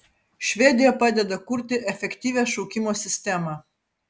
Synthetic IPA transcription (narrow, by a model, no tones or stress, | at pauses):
ʃʲʋʲɛd̪ʲɪjɛpɑːd̪ʲɛd̪ɐkʊɾʲt̪ʲɪʔɛfʲɛkʲt̪ʲiːʋʲæːʃɔʊkʲɪmoːsʲɪsʲt̪ʲæmɑː